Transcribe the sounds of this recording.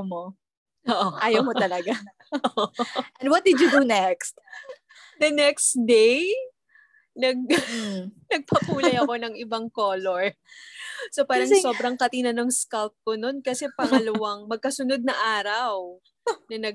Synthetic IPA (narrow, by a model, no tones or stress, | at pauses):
mo | ʔoːʔoʔaːjɐwmoɐlɐɡa | ʔɛnd̪wɔt̪̚d̪ɪd̪jud̪unɛkst̪̚ | d̪ɐnɛkst̪d̪ɛj | nɐɡ̚ | nɐɡ̚pɐpuːlɐjɐko̞nɐŋʔɪbɐŋko̞ːloɹ | so̞paːɾɐŋso̞bɾɐŋkɐt̪inɐnɐŋskɐlp̚kono̞nkɐsɛpɐŋɐlɐwaŋmɐɡ̚kɐsʊnod̪̚nɐʔaːɾɐw | nɐnɐ